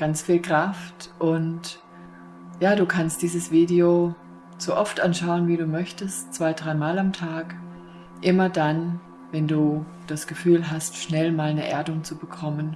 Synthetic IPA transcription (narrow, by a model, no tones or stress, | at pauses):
ɡ̥ant͡sfiːlkʁ̥aftʔʊnt | jaːduːkʰanst̚d̥iːzəsv̥iːdio | z̥oːʔɔftʔanʃaʊənviːduːmœçtəstt͡sv̥aɪdʁaɪmaːlamtʰaːk | ʔɪmɐdan | vɛnduː | d̥asɡ̥əfyːlɦastʃnɛlmaːlnəʔḛːɐdʊŋt͡subəkʰɔmən